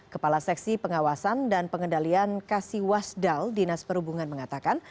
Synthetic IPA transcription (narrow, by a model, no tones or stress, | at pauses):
kəpalasɛk̚sipəŋawasandanpəŋəndaliankasiwasdaldinaspəɾhubuŋanməŋat̪akan